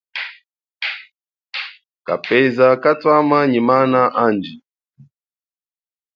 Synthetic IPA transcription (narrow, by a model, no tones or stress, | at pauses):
ka̰pɛzakatwamaɲimanaʔand͡ʒi